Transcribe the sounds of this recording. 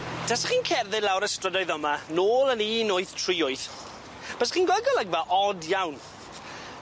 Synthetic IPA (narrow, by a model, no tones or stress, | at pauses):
d̥asaχiːnkʰɛrðɪdlawɾəstrədɔɨðəmanoːlˠəniːnoɨθtʰriːʊɨθ | b̥əsχiːnɡwɔɡɔlˠəɡvaʔɔdjawn